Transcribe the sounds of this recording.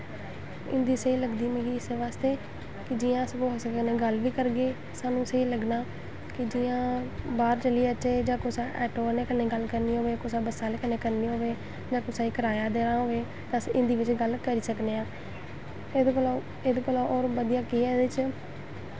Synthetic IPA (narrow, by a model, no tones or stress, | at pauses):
ɪ̰̃nd̪iːseiːləɡd̪iːmĩːɡiːɪseʋaːst̪eː | kɪd͡ʒiːãːəskoɦoːsəkːəneːɡəlʋiːkəɾɡeː | saːnũːseiːləɡnaː | kɪd͡ʒiːãːbaːɾt͡ʃəliːət͡ʃʰeːd͡ʒãːkoːsaːʔɛːʈoːneːkəneːɡəlkəɾniːɦoːʋeːkosãːbəsaːleːkəneːkəɾniːɦoːʋeː | d͡ʒãːkosaːiːkəɾaːjaːd̪eːɾãːɦoːʋeː | t̪ãsʔɪnd̪iːʋɪt͡ʃɡəlkəɾiːsəkneːãː | ed̪lo | ed̪koloʔoːɾbəd̪ijaːkiɛdɪt͡ʃ